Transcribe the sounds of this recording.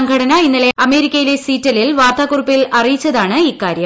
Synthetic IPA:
ɐŋɡɐɽɐnɐinːileɐme̞ːɾikʲːɐjile̞siːtːɐlilʋaːrt̪aːkurɨpːilɐrijit͡ɕːɐðaːɳɨikːaːɾjɐ

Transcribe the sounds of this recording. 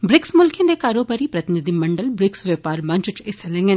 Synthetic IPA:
bɾɪksmʊlkẽːd̪ekaːɾoːbaːɾipɾɐt̪ɪnɪd̪imɐ̃ɳɖəlbɾɪksʋəpaːɾmɐ̃ɲt͡ʃɪt͡ʃɪselɛ̃ŋɡə

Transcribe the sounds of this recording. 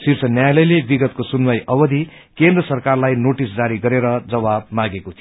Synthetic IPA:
sirt͡sʰʌnjajlʌjlebiɡʌt̪̚kosunmʌjʔʌbʌd̪ʱi | kend̪rʌsʌrkarlajnoʈisd͡zaɾiɡʌɾeɾʌd͡zʌβab̚maɡekot̪ʰi

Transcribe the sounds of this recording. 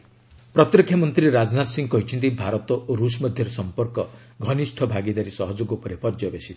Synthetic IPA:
pɾɔt̪ɾɔkʰːjɔmɔnt̪ɾiɾad͡ʒnat̪siŋɡɔkɔɦit͡ʃʰɔnt̪ibʱaɾɔt̪ɔʔoɾusmɔd̪ʱjɔɾɔsɔmpɔɾkɔ | ɡʱɔnisʈʰɔbʱaɡid̪aɾisɔɦɔd͡ʒoɡɔpɔɾepɔɾd͡ʒɔbesi

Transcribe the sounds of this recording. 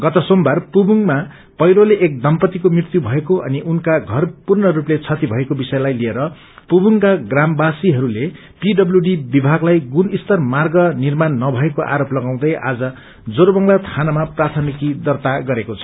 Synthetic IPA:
ɡʌt̪ʌsombarpubuŋma | pʌjɾoleʔek̚d̪ʌmpʌt̪ikomrirt̪jubʱʌekoʔʌ̰niʔunkaɡʱʌrpurnʌɾuplet͡sʰʌt̪ibʱʌekobisʌjlajlieɾʌ | pubuŋkaɡrambasiɦʌɾule | piɖʌbljuɖibibʱaɡlajɡunist̪ʌrmarɡʌnirmanːʌbʱʌekoʔa̰ɾoplʌɡaw̃d̪ʌjʔa̰d͡zʌ | d͡zoɾbʌŋlat̪ʰanamaprat̪ʰʌnikid̪ʌrt̪aɡʌɾekot͡sʰʌ̥

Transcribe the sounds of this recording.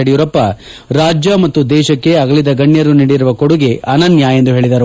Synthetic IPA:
ɐɽijuːɾɐpːɐ | ɾaːd͡ʒjɐmɐt̪ːud̪ɛːʃɐkːe̞ɐɡɐlid̪ɐɡɐɳːjɐɾuniːɽiɾuʋɐkoɽuɡeʔɐnɐnjaːje̞nd̪uɦe̞ːɭid̪ɐɾu

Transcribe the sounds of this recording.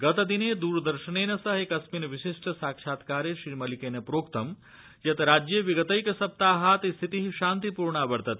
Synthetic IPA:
ɡɐt̪d̪ined̪uːɾd̪ɐɾʃɐneːnɐsɐɦekɐsminʋiʃiʂʈsaːkʃaːt̪kaːɾjeʃɾiːmɐlikeːnepɾoːkt̪ɐm | jɐt̪ɾaːd͡ʒjɐʋiɡət̪ɐjkɐsɐp̚t̪aːɦaːt̪ist̪ʰit̪iɦiʃaːnt̪ipuːɾɳaːbɐɾt̪ɐt̪

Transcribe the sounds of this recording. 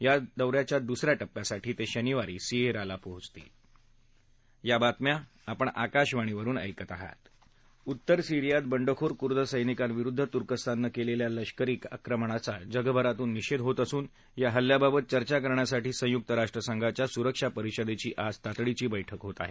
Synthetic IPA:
jad̪əwɾjat͡ɕjad̪usɾjaʈəpːjasaʈiːt̪eɕəniʋaɾiːsieɾalapoɦut͡st̪ḭː | jabat̪mja | apəɳakaɕʋaɽ̃iʋəɾuːnə̰jkət̪aɦa̰t̪ | ut̪ːəɾsiɾijat̪̚bəɳɖəkʰoɾkuɾd̪əsəjnikanʋiɾud̪ʱːət̪uɾkəst̪ʰanːəkeleljaləɕkəɾiːka̰kɾəmɳ̃at͡sad͡ʑəɡəbʱəɾat̪uːnːiɕed̪ɦot̪əsuːn | jaɦəljababət̪̚t͡ɕəɾt͡ɕakəɾɳjasaʈiːsə̃juk̚t̪əɾaʂʈɾəsəŋɡʱat͡ɕjasuɾəkʂapəɾiɕəd̪ʱet͡ɕiːʔad͡zt̪at̪ɽit͡ɕiːbəjʈʰəkɦot̪a̰ɦḛ

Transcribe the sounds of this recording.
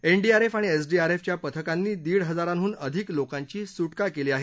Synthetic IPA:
eɳɖiaɾefaɽ̃ies̬ɖiaɾeft͡ɕjapət̪ʰəkanːiːd̪iːɽɦəd͡zaɾanɦuːnəd̪ʱiklokãɲt͡ɕiːsuʈkakeliːaɦe

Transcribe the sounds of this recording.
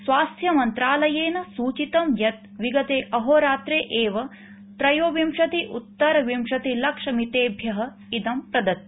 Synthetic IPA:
sʋaːst̪ʰjɐmɐnt̪ɾaːlɐjeːnɐsuːt͡ʃit̪ɐmjɐt̪̚ | ʋiɡɐt̪eːʔɐɦoːɾaːt̪ɾeːʔeːʋɐ | t̪ɾɐjoːʋimʂɐt̪iʔut̪ːɐɾɐʋimʃɐt̪ilɐkʂɐmit̪eːbʱjɐɦɐ̆ | id̪ɐmpɾɐd̪ɐt̪̚

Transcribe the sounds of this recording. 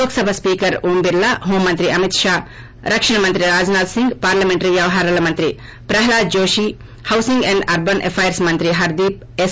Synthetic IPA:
oːksɐbʱɐspiːkɐɾuːmbiɾlɐɦoːmːɐnt̪ɾiɐmit̪ʂaː | ɾɐkʂɐɳɐmɐnt̪ɾiɾaːd͡ʒnaːd̪siŋɡpaːɾlɐmeɳʈɐɾiʋjɐʋɐɦaːɾɐlɐmɐnt̪ɾi | pɾɐɦɐlaːd̪̚d͡ʒoːʃi | hɐwsiŋɡẽɳɖɐɾbɐnʔepʰɐjɐɾsmɐnt̪ɾiɦɐɾd̪iːp̚ | es

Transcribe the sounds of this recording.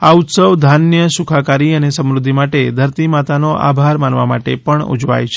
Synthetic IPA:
aut̪səʋd̪ʱanjəsukʰakaɾiənesəmɾʊd̪ʱːimaʈed̪ʱəɾt̪imat̪anoʔa̰bʱaɾmanʋama̰ʈḛpəɳṵd͡ʒʋa̰jt͡ʃʰe̥

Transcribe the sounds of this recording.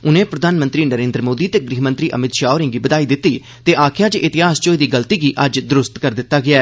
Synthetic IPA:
ʊnẽːpɾəd̪aːnmə̃nt̪ɾiːnəɾẽːnd̪ɾəmoːd̪iːt̪eːɡɾiːɦmə̃nt̪ɾiːʔə̰mɪt̪ʃaːoɾɪ̃ŋɡiːbəd̪aːiːd̪ɪt̪ːiː | t̪eːʔaːkʰjaːt͡ʃʔɪt̪ɪɦaːst͡ʃoːiːd̪iːɡəlt̪iːɡiːʔəd͡ʒd̪ʊɾʊst̪kəɾd̪ɪt̪ːaːɡɪaɛː

